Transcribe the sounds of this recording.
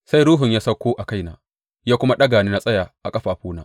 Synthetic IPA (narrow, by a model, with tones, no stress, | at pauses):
sa˦jɾuː˦ɦʊ˨ɲjaː˦sɐ˦kʷːoː˦ʔa˨ka˦jnaː˨ | jaː˦kʷʊ˦ma˦ɗɐ˦ɡaː˨niː˦na˦sʼɐ˦jaː˨ʔa̰˨kʼɐ˦ɸaː˨ɸuː˦naː˦